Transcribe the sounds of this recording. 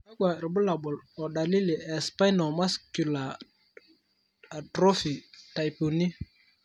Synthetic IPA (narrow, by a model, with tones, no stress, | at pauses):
a˦ɡ͡ba˨ɾi˨bʊ˦la˨ɓɔ˨lɔ˨ɗa˨li˦li˨ʔɛ˨spa˦jnɔ˨ma˦sku˨la˨ | tɾo˦fi˨ta˨jpu˨ni˦